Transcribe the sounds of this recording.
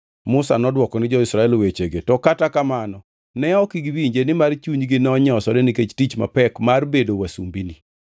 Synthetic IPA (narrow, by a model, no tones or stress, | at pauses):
mʊsanɔdwɔkɔnɪd͡ʒɔɪsɾaɛlwet͡ʃeɡetɔkatakamanɔ | nɛɔkiɡwiɲd͡ʒenɪmart͡ʃuɲɡɪnɔɲɔsɔdɛnɪket͡ʃtit͡ʃma̰pɛkmarbedowasṵmbini